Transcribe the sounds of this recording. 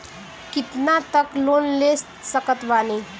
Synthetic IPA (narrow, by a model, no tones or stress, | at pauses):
kit̪nat̪əklonlest̪səkət̪ʋane